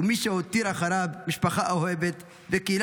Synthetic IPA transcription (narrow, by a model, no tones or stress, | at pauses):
miʃeot̪iɾaxaɾabmiʃpaxaʔaɦebet̪ | vekil